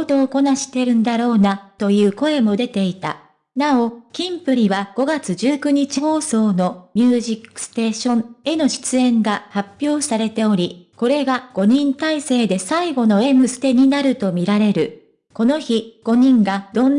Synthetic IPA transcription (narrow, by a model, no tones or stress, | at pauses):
ot̪o̞ːko̞naɕi̥t̪e̞ɾɯ̟̃nd̪aɾo̞ːnat̪o̞jɯ̟ːko̞e̞mo̞d̪e̞t̪e̞it̪a̰ | nao̞kʲĩmpɯ̟ɾʲiβaɡ̥o̞ɡat͡sɨʑɨːkɯ̟ɲ̟it͡ɕiho̞ːso̞ːno̞mʲɨːʑikːɯ̥sɨ̥t̪e̞ːɕõ̞ɴe̞no̞ɕi̥t͡sɨẽ̞ŋɡahapʲːjo̞ːsaɾe̞t̪e̞o̞ɾʲiko̞ɾe̞ɡaɡ̥o̞ɲ̟ĩnt̪aise̞ːd̪e̞saiɡo̞no̞e̞mɯ̟sɨ̥t̪e̞ɲ̟inaɾɯ̟t̪o̞mʲiɾaɾe̞ɾɯ̟ | ko̞no̞çiɡ̥o̞ɲ̟ĩŋɡad̪̥õ̞nː